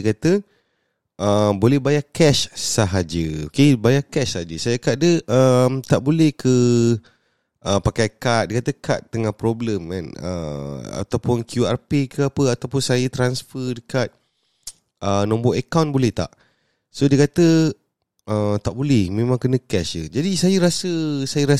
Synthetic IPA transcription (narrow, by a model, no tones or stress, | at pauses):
əkat̪ə | ʔəmbolɛhbajakɛʃsaɦad͡ʒəokebajakɛʃsaɦad͡ʒəsajəkaʔ̚dəʔəmt̪aʔbolɛhkə | ʔəpakajkat̪̚dikat̪əkat̪ːəŋahpɾobləma̰nə̰a̰t̪awpʊnkʰjuarpekəapəat̪awpʊnsajət̪ɾansfədəkat̪̚ | ʔənɔ̃mbɔʔəkawnbolɛht̪a̰ʔ | sodiəkat̪ə | ʔət̪aʔbolɛhmẽmãŋkənə̃kɛʃəd͡ʒadisajəɾasəsajəɾa